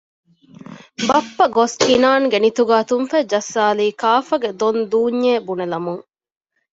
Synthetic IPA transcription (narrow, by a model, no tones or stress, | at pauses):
bɐpːɐɡoskinaːnɡenit̪uɡaːt̪umfæd͡ʒɐsːaːliːkaːfɐɡed̪ond̪uːɲːeːbunelɐmuŋ